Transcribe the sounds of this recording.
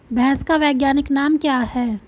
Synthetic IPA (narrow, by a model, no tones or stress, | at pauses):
bʱɛɦskaʋɛːɡjaːnɪknaːmkjaːɦɛː